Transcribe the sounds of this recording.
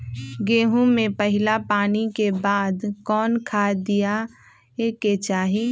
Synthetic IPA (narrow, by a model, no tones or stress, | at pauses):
ɡeːɦũmẽpəɦɪlapaːnikebaːd̪kɔːnkʰaːd̪ija | eket͡ʃaːɦi